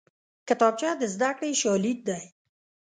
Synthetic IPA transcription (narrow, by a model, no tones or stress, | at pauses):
kɪt̪ɔb̚t͡ʃad̪əzd̪akɽeʃɔlit̪̚d̪aj